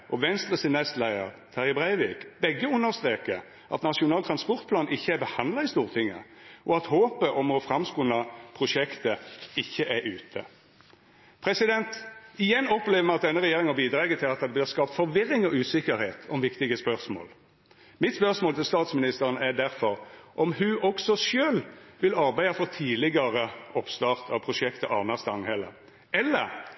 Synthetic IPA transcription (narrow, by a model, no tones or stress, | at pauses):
ʔɔʋɛnst̪ʁəsɪnɛst̪læɪə̰ʁt̪ʰɑʁəbʁæɪʋiːkbɛɡːəʊnːəɾst̪ɾeːkəɾ | ʔɑ̰t̪nɑʂʊnɑːlt̪ʰɾɑnspɔʁt̪̚pʰlɑːnʔɪçːəæɾbəhɑnd̪lɑɪst̪uːʁt̪ʰɪŋːə̰ʔɔɑt̪hoːpəʔɔmɔfɾɑmskuːnɑpʰʁʊʂɛkt̪əɪçːəʔæɾʉːt̪ʰə̰ | pʰɾɛsɪd̪ɛnt̪ɪjɛnːɔpleːʋəmɛɑt̪̚d̪ɛnːəʁɛjeːɾɪŋɑbiːd̪ɾɑːɡət̪ʰɪlɑt̪̚ɑd̪b̪lɪːʁskɑːpt̪fɔɾʋɪɾɪŋɔʉːsɪkəɾheːt̪ʰɔmʋɪkt̪ɪɡəspœʁsmo̰ːl | mɪt̪spœʁsmoːlt̪ʰɪlst̪ɑːt̪smɪnɪst̪əʁənæd̪æʁfɔɾʔɔmhʉʔɔksɔʃøːlʋɪlɑʁbæɪɑfɔʁt̪ʰiːlɪɡɑʁəɔpst̪ɑːʁt̪ʰɑʋpʰʁʊʂɛkt̪əʔɑ̰ːʋnɑst̪ɑŋhɛlə̰ | ɛlːəʁ